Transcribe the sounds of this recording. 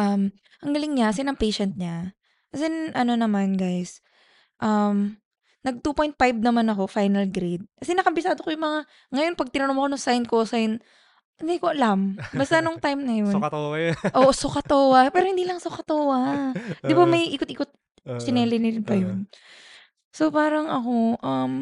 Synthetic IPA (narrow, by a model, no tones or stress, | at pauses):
ʔɐm | ʔɐŋɡɐlɪŋɲakɐsɛnɐŋpɛjʃɛnt̪̚ɲa | kɐsɛnʔɐno̞nɐmanɡajs | ʔɐm | nɐɡ̚t̪uːpo̞jnt̪̚fajb̚nɐmanɐko̞fajnɐlɡɾed̪̚kɐsɛnɐkɐmbɪsaːd̪okojʊŋmɐŋa | ŋɐjo̞npɐɡ̚t̪ɪnɐnomɐkonʊŋsajn̚kosajn | hɪnd̪ikoʔɐlambɐst̪ɐnoŋt̪ajmnɐjonʔo̞ːʔosokɐt̪oːwɐpɛɾohɪnd̪iːlɐŋsokɐt̪oːwɐd̪ɪbamɐjʔiːkot̪̚iːkot̪̚ | sɪnɛːlɪnɪɾɪnpɐjon | so̞paːɾɐŋʔɐko̞ʔɐm